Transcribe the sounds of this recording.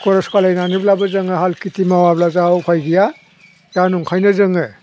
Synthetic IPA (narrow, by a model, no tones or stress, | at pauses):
kɔɾɔskalajnaniblabɐzɯŋɯɦalkitimawablazawpʰajɡija | januŋkʰajnazɯŋɯ